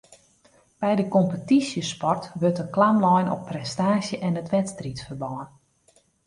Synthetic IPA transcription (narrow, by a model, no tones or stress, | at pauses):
b̥ɛjdəkɔmpətisjəspɔrtʋørtəklamlɔjnɔ̰pːrɛstaːsjəʔɛnətʋɛtstritfərbɔwən